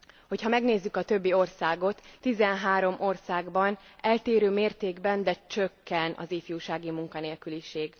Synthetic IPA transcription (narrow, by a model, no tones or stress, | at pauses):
ho̞chɒmɛɡneːzːykɒt̪øbːio̞rsaːɡo̞t̪ːizɛnɦaːɾo̞mʔo̞rsaːɡbɒnɛlt̪eːɾøːmeːrt̪eːɡbɛnd̪ɛt͡ʃøkːɛnɒ̰zeːfjuːʃaːɡimuŋkɒneːlkyliʃeːɡ